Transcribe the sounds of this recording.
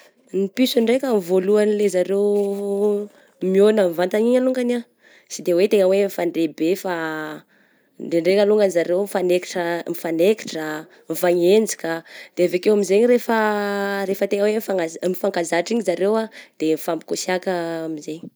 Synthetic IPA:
nipisuɳɖ͡ʐekʲəmivoluanilezaɾew | mionəmivant̪aɲiɲaluŋɡana | sid̪ewet̪eŋəwemifaɳɖ͡ʐebefa | ɳɖ͡ʐeɳɖ͡ʐeŋaluŋɡanizaɾewmifaneki̥ʈ͡ʂəmifaneki̥ʈ͡ʂə | mifaɲend͡zikad̪̥eavekewamizeɲiɾefəɾefət̪eŋəwemifaŋazmifaŋkazaʈ͡ʂiɲizaɾewad̪̥emifambi̥kosakaamizeɲi

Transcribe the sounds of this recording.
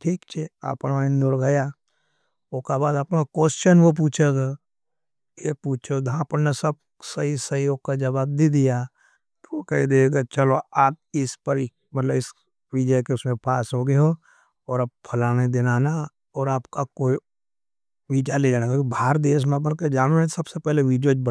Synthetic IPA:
ʈʰiːkt͡ʃʰɛa̰ːpnaĩnoɾɡəja | ʊkabaːd̪aːpnakost͡ʃənʋop̬uːt͡ʃʰeɡa | jepuːt͡ʃʰod̪ʱãpəɾnesəb̚ | səɦisəɦiokad͡ʒɐβaːb̚d̪id̪ija | t̪okɛid̪eɡat͡ʃəloaːp̚ɪspəɾ | mɐt̪ləbɪs | ʋɪd͡ʒəkeʊsmẽpʰaːsɦoːɡeɦo | ɔːɾab̚pʰɐlaːned̪enaːna | ɔːɾaːpkakoːi | ʋid͡ʒaleːd͡ʒaːneɡaibʱaːɾd̪eːs̬mãbəlked͡ʒaːnẽsɐbsepɛɦleʋiɖjod͡ʒbə

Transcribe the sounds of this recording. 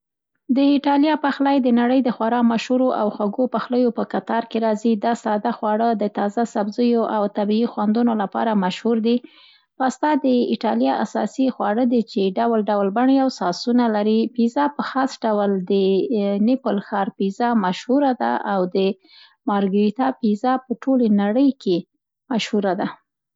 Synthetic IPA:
d̪əiʈɑlijɑpaxlajd̪ənaɽəjd̪əxwaɾɑmaʃhuɾoʔawxwaɡopaxləjopəkat̪ɑɾkeɾɑzid̪ɑsɑd̪axwɑɽəd̪ət̪ɑzasabzəjoʔawt̪abiixwand̪unolapɑ̰ɾamaʃhuɾd̪i | past̪ɑd̪əiʈɑlijɑʔasɑ̰sixwɑɽəd̪it͡ʃeɖawlɖawlbaɳjawsɑsunalaɾipizɑpəxɑsɖawld̪ənɪpəlxɑɾpizɑmaʃhuɾad̪a̰ʔawd̪ə | mɑɾɡɾit̪ɑpizɑpəʈolenaɽəjke | maʃhuɾad̪a

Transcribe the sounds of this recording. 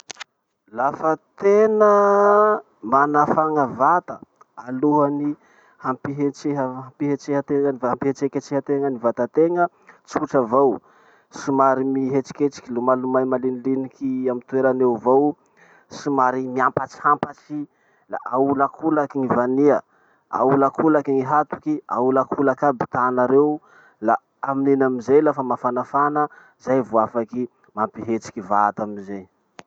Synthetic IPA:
lafət̪enə | manafaŋəvat̪ə | aluɦəni | hampiɦet͡ʃeɦəampiɦet͡ʃeɦət̪evampiɦet͡ʃeket͡ʃeɦət̪eŋənivat̪at̪eŋə | t͡si̥uʈ͡ʂəvow | simaɾimiɦet͡ʃi̥ket͡ʃi̥kʲilumalumajmalinlinikiamint̪weɾanewvow | simaɾimiampat͡sihampat͡ʃi | la̰ʔaulakʰulakiŋivaniə | a̰ulakʰulakiŋiɦat̪u̥kia̰ulakʰulakabi̥t̪anaɾew | la | aminenamizejlafəmafanafanə | z̥ajvoafaki | mampiɦet͡st͡ʃi̥kʲivat̪aminze

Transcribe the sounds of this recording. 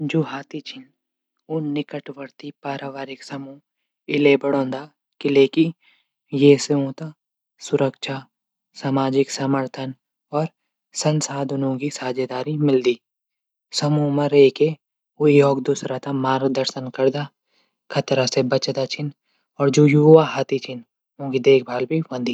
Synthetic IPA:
d͡ʒoːɦaːt̪it͡ʃʰɪn | ʊnːɪkəʈʋəɾt̪ipaːɾaʋaːɾɪksɐmu | ɪlebəɽõːnd̪a | kɪleːki | jeːseõːt̪a | sʊɾəkʃaː | saːmaːd͡ʒɪksɐməɾt̪ʰən | ɔːɾ | sɐnsaːd̪ʱənõkisaːd͡ʒed̪aːɾimɪld̪iː | sɐmumɐ̃ɾeːke | ojoːɡd̪uːsɾat̪amaːɾɡd̪əɾʃənkɐɾd̪aː | kʰɐt̪ɾasebɐt͡ʃd̪at͡ʃʰɪn | ɔːɾd͡ʒoːjuʋaɦaːt̪it͡ʃʰɪn | õːkid̪eːk̚ʰbʱaːlbʱiʋɐ̃nd̪iː

